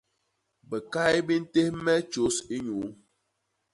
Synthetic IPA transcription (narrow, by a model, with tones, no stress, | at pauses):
bə˨ka˦jbi˦n̩˦te˦hmɛ˦t͡ʃo˨˦si˦ɲu˨˦